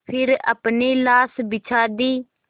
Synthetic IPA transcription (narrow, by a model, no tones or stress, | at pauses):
pʰɪɾə̰pneːlaːsbɪt͡ʃʰaːd̪iː